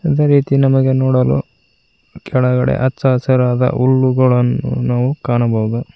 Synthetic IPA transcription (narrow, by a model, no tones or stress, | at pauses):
ɐd̪eɾiːt̪inɐmɐɡe̞noːɽɐlṵ | kʰɛɭɐɡɐɽe̞̰ʔɐtːsaːɐsɐɾaːd̪ɐ̰ʔuɭːuɡɐɭɐnːṵnaːʋukaːɳɐbɐwud̪u